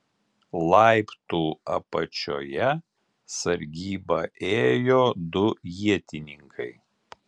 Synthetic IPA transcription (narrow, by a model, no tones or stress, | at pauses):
lˠɑˑɪpt̪uːɐ̰pɐt͡ʃʲo̰ːjɛ | sɐɾʲɡʲiːbɐʔeːjoːd̪ʊjiɛt̪ʲɪnʲɪŋkʰɐɪ